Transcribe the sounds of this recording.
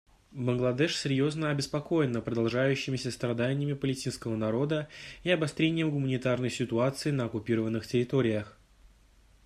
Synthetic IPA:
bənɡlˠɐd̪ɛʂsʲɪɾʲjo̞znəɐbʲɪspɐko̞jɪnːəpɾəd̪ɐlˠʐajʉɕːɪmʲɪsʲəst̪ɾɐd̪anʲɪjəmʲɪpəlʲɪsʲtʲinskəvənɐɾo̞d̪əiɐbɐst̪ɾʲenʲɪjəmɡʊmənʲɪt̪arnəjsʲɪt̪ʊat̪sɨɪnəɐkʊpʲiɾəvənːɨxtʲɪɾʲɪt̪o̞ɾʲɪjəx

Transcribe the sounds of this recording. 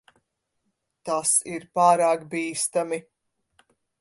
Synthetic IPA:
t̪asiɾpaːɾaːkbiːst̪ami

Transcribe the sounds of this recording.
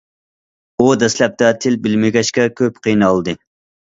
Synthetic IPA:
ud̪ɛslɛp̚t̪ɛt̪ʰɪlbɪlmɪɡʲɛʃkʲɛkʲʰøpqʰijnɨɑlˠd̪ɨ

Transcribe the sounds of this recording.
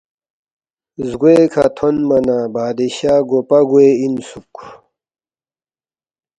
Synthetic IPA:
zɡuekʰa̰t̪ʰonmɐnabaːd̪eɕaːɡopɐɡueinsuk

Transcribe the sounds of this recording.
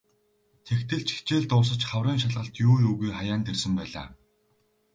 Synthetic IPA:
t̪ʰekt̪ʰɘ̆ɮt͡ɕi̥t͡ɕeːɮt̪ʊːs̬ə̆t͡ɕχawriːŋʃaɮʁə̆ɬt̪juːjuːɣujχajaːnt̪ersɘ̆mpæːɮa̰ː

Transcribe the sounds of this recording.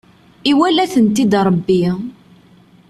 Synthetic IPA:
iwælæθənt̪id̪ɾˤəbːi

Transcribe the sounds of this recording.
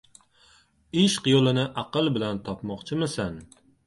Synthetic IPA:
ɪʃqjolˠɪnɪʔɑqɨlˠbɪlant̪ʰɒpmɒqt͡ʃʰɪmɪsan

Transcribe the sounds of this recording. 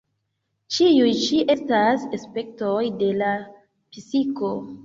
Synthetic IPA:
t͡ʃiujt͡ʃiʔe̞stasespe̞k̚tojde̞la | fisiko̞

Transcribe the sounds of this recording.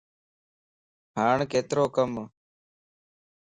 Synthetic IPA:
ɦaːɳkeːt̪ɾoːkəm

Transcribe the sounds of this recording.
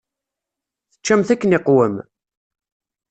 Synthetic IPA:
θə̥t͡ʃːæmθækːənɪqwəm

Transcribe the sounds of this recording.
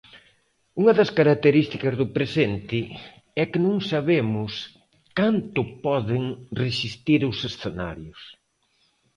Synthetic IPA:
uŋɐðɐskaɾak̚t̪eɾist̪ikɐzðʊpɾesent̪ɪ | ɛkɪnõŋsaβemʊs | kant̪ʊpɔðɪŋresist̪iɾosesθena̰ɾjʊs

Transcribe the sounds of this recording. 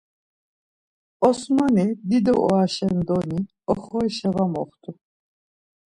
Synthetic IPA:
ɔsmanid̪id̪ɔ̰ʔɔ̰aʃɛnd̪ɔni | ɔχɔiʃɛvamɔχt̪ʰʼu

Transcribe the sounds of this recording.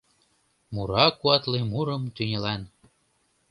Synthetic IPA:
muɾɑkuɑt̪limuɾɤmt̪ynʲelæn

